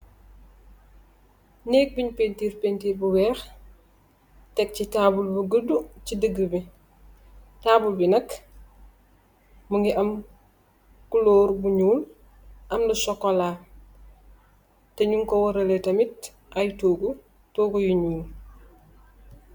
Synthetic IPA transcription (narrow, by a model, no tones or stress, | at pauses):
nɛːk̚biɲpentiːɾpentiːɾbuwɛːx | tɛk̚citaːbulbuɡədut͡ʃidəɡəbi | taːbulbinɐk | muŋɡiʔɐm | kuloːɾbuɲuːl | ʔɐmdusɔkːɔlaː | tɛɲuŋkɔwɐɾɐletɐmit̚ | ʔɐjtoːɡu | toːɡujiɲuːl